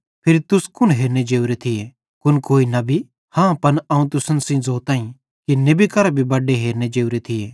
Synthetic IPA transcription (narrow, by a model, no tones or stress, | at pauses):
pʰɪɾt̪ʊskʊnɦeːɾned͡ʒeːuɾet̪ʰɪe | kʊnkoːinɐbʱi | hãːpɐnɐːũt̪ʊsənsĩd͡zoːt̪ãːĩ | kinebikɐɾabʱibɐɖeɦeːɾned͡ʒeːuɾet̪ʰɪjeː